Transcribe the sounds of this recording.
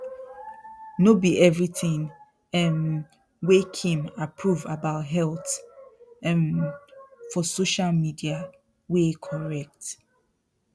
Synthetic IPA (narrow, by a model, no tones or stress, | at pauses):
nobiʔɛvɹiθĩŋ | ɛ̃n | wekʰĩmapʰɹuvabaʊtɦɛlt | ɛ̃n | fɔsoʃalmidia | wekʰɔɹɛk̚t